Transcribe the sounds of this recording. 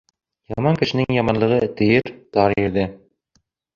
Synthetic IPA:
jɑmɑŋkɘ̆ʃɘ̆nɘŋjɑmɑnlˠɤ̆ʁɤt̪ɘ̆jɘɾt̪ɑɾɘ̆ɾðɘ

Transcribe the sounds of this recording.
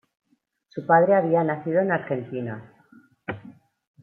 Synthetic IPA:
supaðɾeaβ̞ianaθiðo̞enaɾxe̞nt̪ina

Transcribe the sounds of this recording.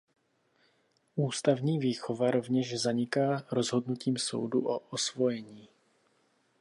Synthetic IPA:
ʔuːst̪avɲiːviːxovaɾo̞vɲɛʒzaɲɪkaːɾozɦo̞dnuciːmso̞̰wduʔoʔosvo̞jɛɲiː

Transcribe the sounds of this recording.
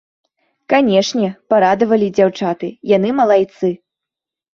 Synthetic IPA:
kanʲɛʂnʲɛpaɾad̪ɐvɐlʲid͡zʲawt͡ʂat̪ɨjanɨmɐlˠajt̪sɨ

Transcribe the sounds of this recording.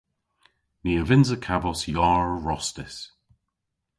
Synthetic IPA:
niəvɪnzəkʰavɔsjɔːɹɹɔstɪs

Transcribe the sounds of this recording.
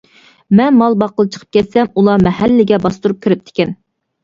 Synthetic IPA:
mɛnmɑlˠbɑqəlˠt͡ʃʰə̥qʰəp̚kʲʰɛt̪sɛmulˠɑmɛɦælːɪɡʲɛbɑst̪uɾup̚kʲʰiɾɪp̚t̪ʰe̥kʲɛn

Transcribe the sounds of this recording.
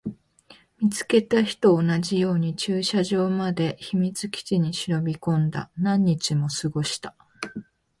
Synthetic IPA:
mʲit͡sɨ̥ke̞t̪açi̥t̪o̞ːnaʑijo̞ːɲ̟it͡ɕɨːɕaʑo̞ːmad̪e̞çimʲit͡sɨkʲi̥t͡ɕiɲ̟iɕiɾo̞bʲikõ̞nd̪a̰nãɲ̟ːit͡ɕimo̞sɨɡo̞ɕi̥t̪ḁ

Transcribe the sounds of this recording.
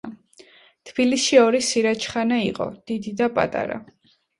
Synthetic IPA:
t̪ʰb̥ilisʃiɔɾisiɾat͡ʃʰχanaiqʼɔ̰d̪̥id̪id̪apʼa̰t̪ʼa̰ɾa̰

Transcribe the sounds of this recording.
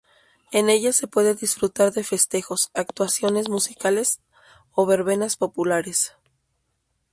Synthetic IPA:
e̞ne̞ʝase̞pwe̞ðe̞ðisfɾut̪aɾðe̞fe̞st̪e̞xo̞sak̚t̪wasjo̞ne̞zmusikale̞s | o̞βe̞ɾβe̞naspo̞pulaɾe̞s

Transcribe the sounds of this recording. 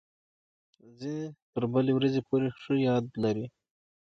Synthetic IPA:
zinet̪əɾbəlewɾazepoɾeʂəjɑd̪laɾi

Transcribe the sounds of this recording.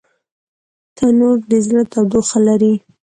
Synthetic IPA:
t̪ʰanoɾd̪ezɾat̪awd̪oxalaɾi

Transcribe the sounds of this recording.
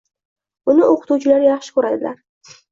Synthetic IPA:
bʊnɪoqʰɨ̥t̪uwt͡ʃʰɪlaɾjɑχʃɪ̥kɵɾad̪ɪlaɾ

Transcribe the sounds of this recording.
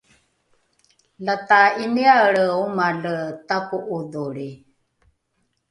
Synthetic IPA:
lat̪ainiaəɺəumaɮət̪akuʔuduɾi

